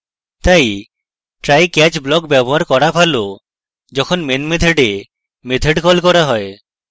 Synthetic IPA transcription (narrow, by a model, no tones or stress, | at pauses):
t̪aj | ʈɾajkɛt͡ʃblɔkbjɛbɔɦaɾkɔɾapʰalo | d͡ʒɔkʰɔnmenmed̪ʰʱeɖe | med̪ʱʰeɖkɔlkɔɾaɦɔe